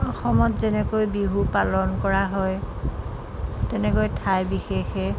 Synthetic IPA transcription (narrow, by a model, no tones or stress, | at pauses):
ɔxɔmɔtzɛnɛkojbiɦupalɔnkɔɹaɦɔj | tɛnɛkojtʰajbixexɛ